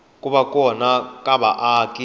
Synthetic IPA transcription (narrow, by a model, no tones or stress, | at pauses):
kʼuβakʼɔnakʼaɓaʔaːkʼi